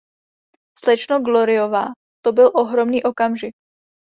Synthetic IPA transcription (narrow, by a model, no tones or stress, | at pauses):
slɛt͡ʃnoɡloɾɪovaː | t̪obɪlʔoɦɾo̞mniːʔo̞kamʒɪk̚